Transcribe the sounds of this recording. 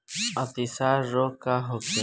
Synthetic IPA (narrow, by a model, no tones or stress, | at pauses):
ət̪isaɾːokaɦoke